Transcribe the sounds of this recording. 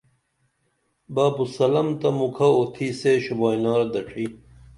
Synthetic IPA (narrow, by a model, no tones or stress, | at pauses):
baːbusɐlɐmt̪ɐmukʰɐot̪ʰiseɕubaːjnaːɾd̪ɐʈ͡ʂʰi